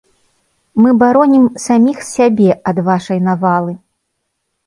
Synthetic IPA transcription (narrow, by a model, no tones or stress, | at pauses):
mɨbaɾɔnʲimsamʲixsʲabʲɛɐd̪vaʂɐjnavalˠɨ